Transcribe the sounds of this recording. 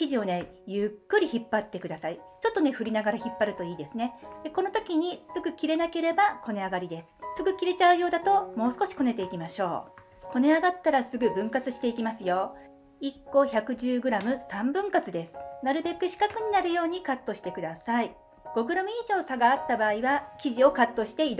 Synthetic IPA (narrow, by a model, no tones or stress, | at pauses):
kʲiʑio̞ne̞ | jɯkːɯ̟ɾʲiçipːat̪ːe̞kɯ̟d̪asai | t͡ɕo̞t̪ːo̞ne̞ɸɯ̟ɾʲinaɡaɾaçipːaɾɯ̟t̪o̞iːd̪e̞sɨne̞d̪̥eko̞no̞t̪o̞kʲiɲ̟isɨɡɯ̟kʲiɾe̞nake̞ɾe̞bako̞ne̞aɡaɾʲid̪e̞sɨ̥sɨɡɯ̟kʲiɾe̞t͡ɕaɯ̟jo̞ːd̪at̪o̞mo̞ːsɨ̥ko̞ɕi̥ko̞ne̞t̪e̞ikʲimaɕo̞̰ː | ko̞ne̞aɡat̪ːaɾasɨɡɯ̟bɯ̟̃ŋkat͡sɨɕi̥t̪e̞ikʲimasɨjo̞ | ikːo̞çakɯ̟ʑɨːɡɯ̟ɾamɯ̟sãmbɯ̟̃ŋkat͡sɨd̪e̞sɨ̥naɾɯ̟be̞kɯ̟ɕi̥kakɯ̟ɲ̟inaɾɯ̟jo̞ːɲ̟ikat̪ːo̞ɕi̥t̪e̞kɯ̟d̪asai | ɡ̥o̞ɡɯ̟ɾamɯ̟iːʑo̞ːsaɡaːt̪ːabaːiβakʲiʑio̞kat̪ːo̞ɕi̥t̪e̞id̪